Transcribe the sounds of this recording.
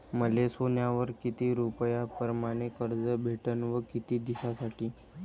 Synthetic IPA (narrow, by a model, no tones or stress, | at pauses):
məlesonjaʋəɾkit̪iɾupəjapəɾmaɽ̃ekəɾd͡zəbʱeʈənʋəkit̪iːd̪isasaʈiː